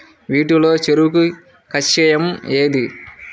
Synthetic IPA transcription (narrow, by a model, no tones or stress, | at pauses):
ʋiːʈulo̞ːt͡ʃeɾuku | kɐt͡ʃːɛjɐmeːd̪i